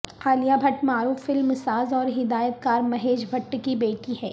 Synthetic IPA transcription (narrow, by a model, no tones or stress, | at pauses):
aːlijabʱɐʈmaːɾuːfːɪlmsaːzɔːɾɦɪd̪aːjət̪̚kaːɾmɐɦeːd͡ʒbʱɐʈːkibeːʈiɦɛ̰ː